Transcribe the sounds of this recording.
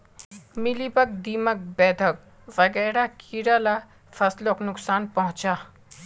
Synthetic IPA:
mɪlibək̚d̪iːmək̚bɛːd̪ʰʱək̚ | ʋɐɡɛːɾakʰiɾala | fɐsloknʊksaːnpɐɦʊ̃t͡ʃaː

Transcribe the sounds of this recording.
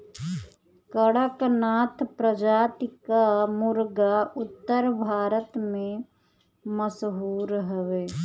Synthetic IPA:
kəɽəknaːt̪ʰpɾəd͡ʒaːt̪ɪkamʊɾɡaʊt̪ːəɾbʱaːɾət̪mẽ | məsɦuːɾɦəʋeː

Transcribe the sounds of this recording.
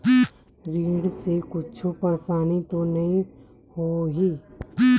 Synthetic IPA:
ɾiːɽsekʊt͡ʃʰupɐɾsaːnit̪onɐɦĩ | hoːɦi

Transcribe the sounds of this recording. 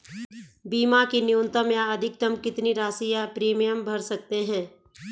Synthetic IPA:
biːmakinɪjũnt̪əmjaɐd̪ʱɪk̚t̪ɐmkɪt̪niɾaːsijapɾeːmijəmbʱɐɾsɐk̚t̪eɦɛ̃ː

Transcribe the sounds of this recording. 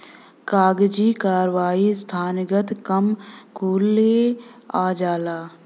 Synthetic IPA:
kaːɡd͡ʒikaːɾʋaːist̪ʰaːnɪɡət̪kəmkʰuːleaːd͡ʒaːlaː

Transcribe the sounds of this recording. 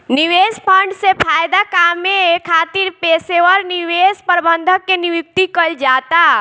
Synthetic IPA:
niʋespʰəɳɖsepʰajd̪akamekʰat̪iɾpeseʋəɾniʋespəɾbənd̪ʱəkːeniʋik̚t̪ikəld͡ʒat̪a

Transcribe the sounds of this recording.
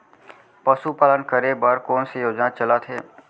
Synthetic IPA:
pəsupaːlənkəɾebəɾkɔːnsejoːd͡ʒnat͡ʃəlat̪ʰɦeː

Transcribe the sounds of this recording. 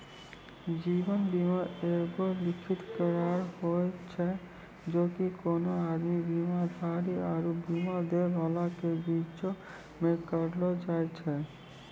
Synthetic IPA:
d͡ʒibənbimaɾeɡolɪkʰɪt̪kəɾaːɾhojt͡ʃʰɛ | d͡ʒoːkikoːnoaːd̪mibimaɾbʱaːɾiaɾubimaɾd̪ebʱalakebit͡ʃo | mẽkəɾlod͡ʒaːɛt͡ʃʰɛ

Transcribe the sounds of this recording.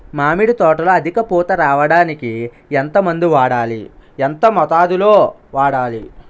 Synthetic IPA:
maːmiɽit̪ɔːʈɐloːɐd̪ʱikɐpuːt̪ɐɾaːʋɐɽaːniki | ent̪ɐmɐnd̪iʋaːɽaːlḭent̪ɐmɔt̪aːd̪uloː | ʋaːɽaːli

